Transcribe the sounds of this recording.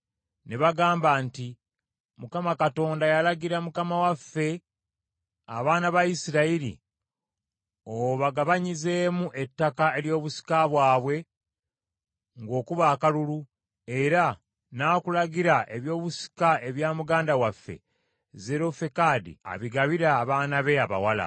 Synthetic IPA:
neβaɡaːmbaːnti | mukamakato̞ːndajalaɡiɾamukamawafːe̞ | a̰βaːnaβaisiɾaiɾḭ | oβaɡaβaɲize̞ːmuʔe̞tːakae̞ɾjo̞ːβusi̥kaβwaːβwe̞ | ŋɡo̞ːkuβaːkalulu | e̞ɾa | nakulaɡiɾaʔe̞βjo̞ːβusi̥kae̞βjaːmuɡaːndawafːe̞̰ | ze̞ɾo̞fekaːdḭa̰βiɡaβiɾaːβaːnaβe̞aβa̰wala̰

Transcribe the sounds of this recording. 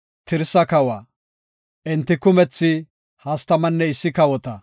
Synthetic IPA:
t̪ɪɾsɐkɐwɐ | ʔɛnt̪ːɪkʊmɛt͡sːɪ | hɐst̪ɐmɐnːɛɪsːɪkɐwɔt̪ɐ

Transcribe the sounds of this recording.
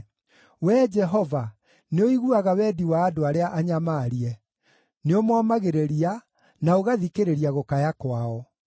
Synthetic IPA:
wɛd͡ʒɛɦɔva | neoiɣuaɣawɛːdiwaːdoaɾeaʔaɲamaːɾiɛ | neomɔmaɣeɾeɾia | naoɣaðikeɾeɾiaɣokajakwaɔ

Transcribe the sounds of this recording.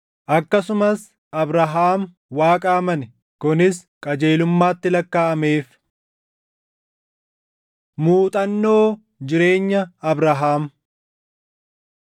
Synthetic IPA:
ʔɐkːɐsʊmɐs | ɐbɾɐɦaːm | waːkʼaːmɐnɛ | kʊnɪskʼɐd͡ʒeːlʊmːaːt̪ːɪlɐkːaːʔɐme̞ːf | muːt̪ʼɐnːo̞ː | d͡ʒɪɾe̞ːɲːɐɐbɾɐɦaːm

